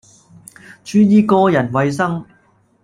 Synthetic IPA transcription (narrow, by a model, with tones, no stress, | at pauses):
t͡ʃyː˥jiː˥kɔː˧˥jɐ˨˩nwɐ˨˧js̬ɐ˥ŋ